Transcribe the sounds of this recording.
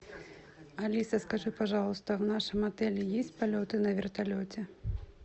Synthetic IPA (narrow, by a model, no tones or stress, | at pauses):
alʲisɐskaʐɨpaʐalˠust̪ɐwnaʂɨmat̪ɛlʲijɛsʲtt͡sʲpalʲɔt̪ɨnɐvʲɛrt̪alʲɔt͡sʲɛ